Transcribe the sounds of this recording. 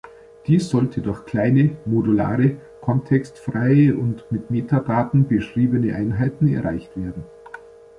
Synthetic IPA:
d̥iːsz̥ɔltʰədʊɐçkl̥aɪnəmodula̰ːʁə | kʰɔntʰɛkstfʁ̥aɪəʔʊntmɪtmeːtadaːtn̩bəʃʁ̥iːbənəʔaɪnɦaɪtn̩ɛ̰ɐʁaɪçtv̥eːɐdn̩

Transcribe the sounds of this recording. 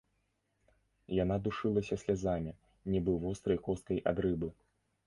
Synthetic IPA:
janad̪uʂɨlˠɐsʲɐsʲlʲazamʲi | nʲɛbɨwvɔst̪ɾɐjkɔst̪kɐjʔa̰d̪ɾɨbɨ

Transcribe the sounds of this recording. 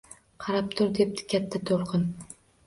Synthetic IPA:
qʰɑɾap̚t̪ʰʊɾd̪e̞p̚t̪ʰɪ̥kʲat̪ʰːat̪ʰolˠqʰɨn

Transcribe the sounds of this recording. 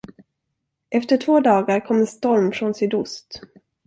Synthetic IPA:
ʔɛft̪əʈʰvoːd̪ɑːɡaɾkʰɔmːɛnst̪ɔɾmfɾɔnsʏd̪ʊst̪

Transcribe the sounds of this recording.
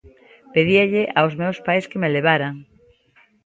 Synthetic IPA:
peðiaʎeʔaozmewspajskemeleβ̞aɾaŋ

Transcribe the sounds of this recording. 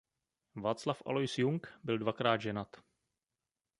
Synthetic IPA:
vaːt̪t͡slafʔa̰lojsjuŋkbɪldvakɾaːd̪ʒɛnat̪

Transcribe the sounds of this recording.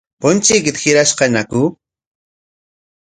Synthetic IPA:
pʊnt͡ʃik̬ɪt̪xɪɾaʃqɑnaku

